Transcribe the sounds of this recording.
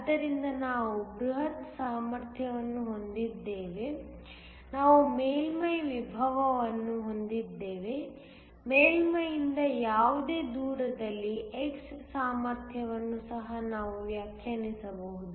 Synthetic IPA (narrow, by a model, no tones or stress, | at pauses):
ɐd̪ːɐɾind̪ɐnaːʋuɡɾuɦɐt̪saːmɐɾt̪ʰjɐʋɐnːuɦo̞nd̪id̪ːeːʋe̞ | naːʋumeːlmɐjʋibʱɐʋɐʋɐnːuɦo̞nd̪id̪ːe̞ːʋe̞ | meːlmɐjind̪ɐjaːʋud̪e̞ːd̪uːɾɐd̪ɐlːiekssaːmɐɾt̪ʰjɐʋɐnːusɐɦɐnaːʋuʋjaːkʰjɐɳisɐbɐɦud̪u